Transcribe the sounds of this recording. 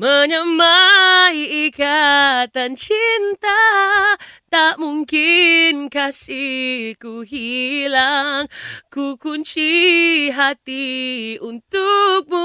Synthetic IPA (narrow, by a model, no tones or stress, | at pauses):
məɲəmaiikat̪ant͡ʃint̪a | t̪aʔmuŋkɪnkasikuɦilaŋkukunt͡ʃiɦat̪iunt̪uk̚mu